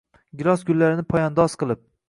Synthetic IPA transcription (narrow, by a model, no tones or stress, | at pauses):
ɡʲɪɾˠɒsɡʲʊlːaɾɪnɪpʰɒjɒnd̪ɒsqɨlˠɪp̚